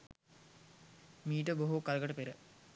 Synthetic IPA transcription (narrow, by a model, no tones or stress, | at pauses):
miːʈəboɦokalɡəʈəpeɾə